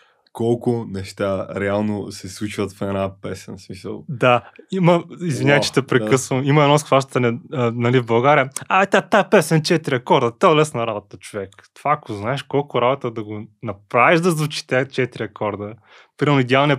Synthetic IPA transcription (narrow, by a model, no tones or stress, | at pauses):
kɔlˠkʊnɛʃt̪aɾɛalˠnosɛslˠut͡ʃvɐt̪fɛnapɛsɛ̰nsmisə̰lˠd̪aimɐizvinʲaɛt͡ʃɛ̥t̪ɛpɾɛkɤsvɐmimɐɛd̪nɔskvaʃt̪t̪ɐnɛnɐlivbɐlˠɡaɾiəat̪at̪apɛsɛnt͡ʃɛt̪ɾʲiɐkɔɾd̪ət̪ɛolɛsnɐɾabot̪ət͡ʃovɛkt̪ovaːkoznaɛʃkɔlˠkʊɾabot̪əd̪ɐɡonɐpɾaviʒd̪ɐzvut͡ʃi̥t̪ɛt͡ʃɛt̪iɾʲiɐkɔɾd̪ə | pɾimɛlnʊid̪ʲɛalˠniə